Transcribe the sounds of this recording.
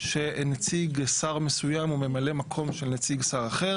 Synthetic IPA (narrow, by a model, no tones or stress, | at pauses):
ʃe̞net͡siɡsaʁmesujamume̞male̞makʰo̞mʃelnet͡siɡsaʁaχe̞ʁ